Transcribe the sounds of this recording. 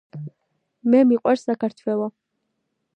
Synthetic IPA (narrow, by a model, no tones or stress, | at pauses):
mɛmiqʼwaɾsakʰaɾt̪ʰwɛlˠɔ